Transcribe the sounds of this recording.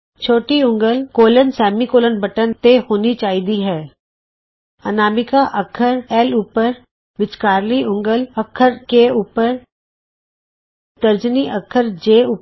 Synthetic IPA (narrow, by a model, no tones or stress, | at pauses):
t͡ʃʰoːʈiʊ̃ŋɡəlkoːlənsɛːmikoːlənbʱəʈənt̪ehoːnit͡ʃaːɦid̪iɦɛː | ɐnaːmɪkaʔɐkʰəɾɛːluːpəɾ | ʋɪt͡ʃkaːɾliʊ̃ŋɡəlɐkʰəɾkeuːpəɾ | t̪əɾd͡ʒəniʔɐkʰəɾd͡ʒeːuː